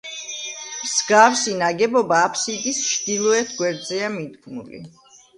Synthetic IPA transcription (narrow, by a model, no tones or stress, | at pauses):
msɡafsinaɡɛbɔbaːpʰsid̪ist͡ʃd̪ilˠɔɛt̪ʰɡwɛɾd̪zɛamid̪ɡmṵlḭ